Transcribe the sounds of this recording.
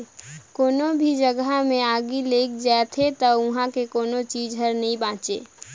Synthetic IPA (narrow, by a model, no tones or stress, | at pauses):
koːnobʱid͡ʒəɡamẽaːɡileːkd͡ʒaːt̪ʰet̪əʊɦãkekoːnot͡ʃiːd͡ʒɦəɾnəɦĩbãːt͡ʃḛː